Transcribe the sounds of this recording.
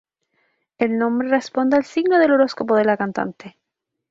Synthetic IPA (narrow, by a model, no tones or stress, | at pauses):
elnõ̞mbɾerespo̞nd̪ealsiɣnoðe̞loɾo̞skop̬oðelakant̪a̰nt̪e